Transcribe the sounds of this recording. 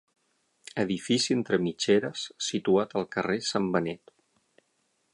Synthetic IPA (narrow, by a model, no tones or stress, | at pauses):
əðifisient̪ɾəmit͡ʃeɾəsːit̪uat̪əlˠkəresambənɛt̪